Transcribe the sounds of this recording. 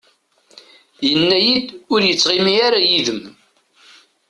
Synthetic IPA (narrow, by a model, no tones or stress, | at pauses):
jənːæjid̪ʊɾjət͡sːʁimiaɾajiðəm